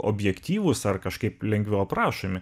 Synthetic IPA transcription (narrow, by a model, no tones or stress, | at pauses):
ʔo̰ːbʲjɛkt̪ʲiːʋʊsɐrkɐʃkɐɪplʲɛŋʲɡʋʲɛʊpɾɑːʃomʲɪ